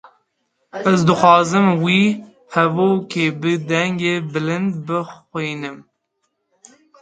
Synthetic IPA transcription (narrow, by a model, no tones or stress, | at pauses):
ɛzd̪ɨxʷɑːzɨmwiː | hɛvoːkʲʰeːbɨd̪ɛŋɡeːbɨlɨnd̪bɨxʷiːnɨm